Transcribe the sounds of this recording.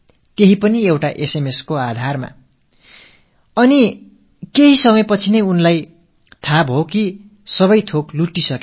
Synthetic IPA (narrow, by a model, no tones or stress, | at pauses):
t̪eɦipʌniewʈaʔesemeskoad̪ʱarma̰ | ʌni | keɦisʌmʌjpʌt͡sʰinʌjunlaj | t̪ʰabɦoki | sʌbʌjt̪ʰokluʈːisʌke